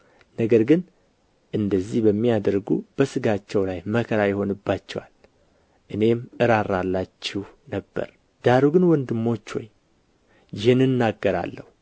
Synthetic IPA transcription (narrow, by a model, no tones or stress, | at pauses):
nəɡəɾɡɨn | ʔɨnd̪əzːihbəmːijad̪ɾɡṵb̥əsɨɡat͡ʃːɛwlajməkʰəɾajɪho̞nɨbːat͡ʃːɛwa̰l | ʔɨne̞mʔɨɾaɾalːat͡ʃːɛhnəbːə̰ɾ | d̪̥aɾuɡɨnwɔnd̪ɨmːo̞t͡ʃːho̞̰j | jɪhɨnːɨnːaɡːəɾa̰lːəhu